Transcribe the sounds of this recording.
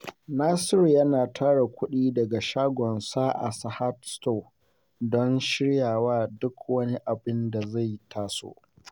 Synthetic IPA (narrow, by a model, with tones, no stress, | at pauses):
naː˦sɪ˦ɾjɐ˦naː˨tʰaː˦ɽa˨kʷʊ˦ɗiː˦dɐ˨ɡa˨ʃaː˦ɡʷɔ˨nsaː˦ʔa̰˨sa˨ha˦tsto˦˨ | dɔ˦nʃɪ˦ɽjaː˨waː˦dʊ˦kwɐ˦ni˦ʔa˨bɪ˦nda˨za˦˨jtʰaː˦so̰ː˦ʔ